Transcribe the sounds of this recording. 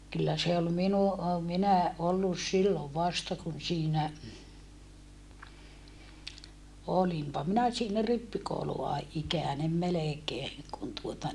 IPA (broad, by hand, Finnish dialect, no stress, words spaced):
kylːæ se ol minu ʔo minæ ʔolːus silːoʋ ʋɑstɑ kun siːnæ olimpɑ minæ siːnæ ripːikouluɑ ikæˑnem melekeːŋ kun tuotɑ